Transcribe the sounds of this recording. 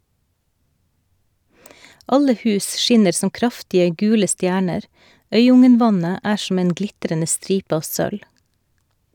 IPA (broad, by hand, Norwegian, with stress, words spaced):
ˈɑlə ˈhʉːs ˈʃɪnəɾ ˈsɔm ˈkɾɑftɪə ˈɡʉːlə ˈstjæːɳəɾ ˈœʏˌʊŋənˌʋɑnə ˈæː ʃm̩ ˈeːn ˈɡlɪtɾənə ˈstɾiːp ˈɑːʋ ˈsœl